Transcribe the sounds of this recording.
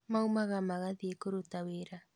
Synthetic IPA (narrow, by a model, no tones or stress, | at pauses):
maumaɣamaɣaðiekoɾotaweɾa